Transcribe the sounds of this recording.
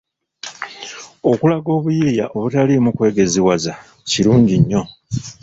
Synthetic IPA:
okulaɡo̞ːβujiijaʔo̞βutalimukwe̞ːɡe̞ziwaza | ciɾuːɲɟiɲːo̞

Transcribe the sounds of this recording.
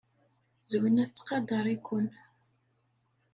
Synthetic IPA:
zwinæθt͡sːqɑd̪ɑɾˤikʷːʊn

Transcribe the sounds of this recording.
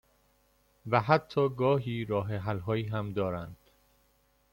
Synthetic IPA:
væɦæt̪ʰːɒːɡɒːɦiːɾɒːɦeɦælɦɒːiːɦæmd̪ɒːɾænd̪̥

